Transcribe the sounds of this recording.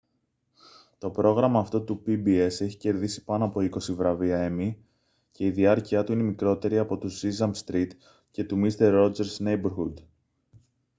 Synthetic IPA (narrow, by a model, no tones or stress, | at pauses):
t̪o̞pɾo̞ɣɾɐmɐːft̪o̞t̪upibie̞se̞çi̥ce̞ɾðisi̥pɐnoɐpo̞iko̞sivɾɐviɐe̞mi | ce̞iðiɐɾciɐt̪uine̞mikɾo̞t̪e̞ɾiɐpo̞t̪uzizɐmst̪ɾit̪ | ce̞t̪umist̪e̞ɾːo̞d͡ze̞ɾznejbeɾxud̪